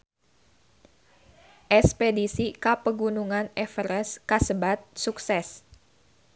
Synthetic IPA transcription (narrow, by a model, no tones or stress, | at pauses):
ʔɛspedisikapəɡunuŋanɛfɾɛskasəbat̪̚suksɛs